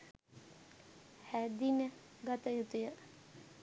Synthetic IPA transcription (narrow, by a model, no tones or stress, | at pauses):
hæd̪inə | ɡat̪əjut̪əjə